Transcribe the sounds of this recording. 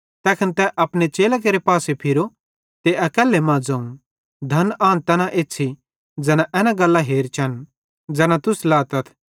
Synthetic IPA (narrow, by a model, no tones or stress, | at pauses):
t̪ɛːkʰənt̪ɛʔɐpnet͡ʃeːlak̬eːɾepaːsepʰɪɾo | t̪eɐkɛːlːemãːd͡zɐ̃ːũ | d̪ʱɐnãːnt̪ɛːnãʔeːtːt͡ʃʰi | d͡zɛːnãʔɛːnãɡɐlːaɦeːɾt͡ʃʰɐn | d͡zɛːnãt̪ʊslaːt̪ɐt̪ʰ